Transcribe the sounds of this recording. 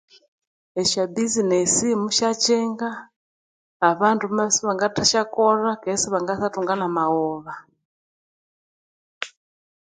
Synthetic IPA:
ɛʃabizinɛsimuʃat͡ʃɛŋɡaː | βantʰumasiβaŋɡataʃakɔrakɛsiβaŋɡasatuŋɡanamaɔβa

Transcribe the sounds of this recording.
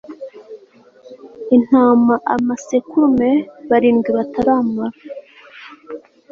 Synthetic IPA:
in̥haːmaʔamasekumeβaɾiːŋɡiβataɾamaɾa

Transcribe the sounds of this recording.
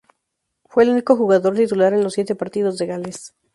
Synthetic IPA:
fwe̞ːluniko̞xuɣaðo̞ɾt̪it̪ulaɾe̞nlosːje̞t̪epaɾt̪ið̞o̞zðeɣales

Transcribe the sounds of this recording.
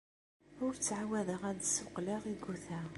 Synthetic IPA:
ʊɾt͡sːʕawæðəʁæd̪sʊqləʁiɡuθæ

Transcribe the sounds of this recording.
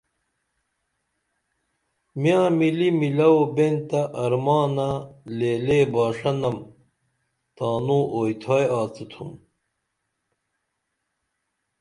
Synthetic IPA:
mjãːmilimilɐwobent̪ɐʔɐɾmaːnɐleːleːbaːʂɐnɐm | t̪aːnũːʔoːjt̪ʰaːjaːt͡sit̪ʰṵm

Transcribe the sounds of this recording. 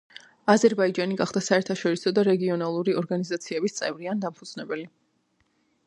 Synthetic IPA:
azɛɾbaid͡ʒaniɡaχd̪asaɛɾt̪ʰaʃɔɾisɔd̪aɾɛɡiɔnalˠuɾiɔɾɡanizat̪sʰiɛbist̪sʼɛ̰vɾiand̪ampʰud̪z̥nɛbɛli

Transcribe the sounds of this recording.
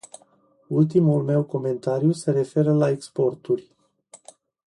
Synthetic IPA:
ult̪imulme̞wko̞me̞nt̪aɾjuse̞ɾe̞fe̞ɾəlaekspo̞rt̪urʲ

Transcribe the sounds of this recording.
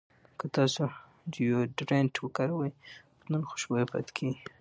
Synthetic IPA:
kət̪ɑso | d̪əjoɖɾenʈwəkaɾawaj | nənxo̥ʃbajpa̰t̪kʰeɡi

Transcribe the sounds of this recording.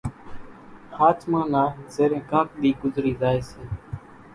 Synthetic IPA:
haːt͡ʃmãːnaːzeːɾẽːkaːk̚ɗ̪iːɡʊzɾiːzaːeːseː

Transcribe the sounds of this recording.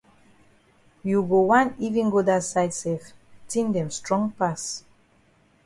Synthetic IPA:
juɡowãnivĩŋɡodasajdsɛftĩndɛ̃mstɹɔ̃ŋpas

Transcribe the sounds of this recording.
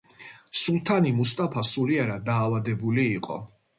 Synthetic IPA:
sulˠt̪ʰanimust̪ʼapʰasuliaɾad̪aːvad̪ɛbuliːqʼɔ̰

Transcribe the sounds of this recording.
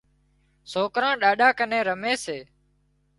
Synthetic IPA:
soːkɾãːɗaːɗaːkənẽːɾəmeːseː

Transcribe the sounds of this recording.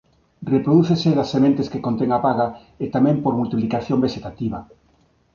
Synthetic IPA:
repɾoðuθeseðasːemẽnt̪eskekont̪eŋapaɣa | et̪amɛ̃mpoɾmult̪iplikaθjõmbeʃet̪at̪iβ̞a

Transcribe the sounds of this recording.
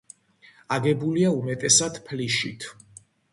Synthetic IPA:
aɡɛbuliaumɛt̪ʼɛsad̪̥pʰliʃit̪ʰ

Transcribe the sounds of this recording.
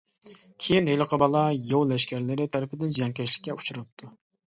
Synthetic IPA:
kʲʰejinɦeləqʰəbɑlˠɑjowlɛʃkʲʰæɾlɪɾɪt̪ʰɛɾɪpɪd̪ɪnd͡ʒɛŋkʲɛʃlɪ̥kʲːɛu̥t͡ʃʰuɾɑp̚t̪ʰu

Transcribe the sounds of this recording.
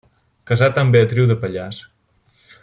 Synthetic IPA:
kəzat̪əmbeət̪ɾiwðəpəʎas

